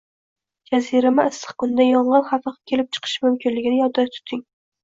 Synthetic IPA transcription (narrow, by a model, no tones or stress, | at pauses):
d͡ʒaziɾamɪɪst̪ɨ̥χkʊnd̪ajɒɴʁɑnχafɑqkʲʰe̞lɪp̚t͡ʃʰɨ̥qʰɨ̥ʃmʊmkʲʰɪnlɪɡʲɪnɪjɒd̪at̪ʰʊ̥t̪ʰɪŋ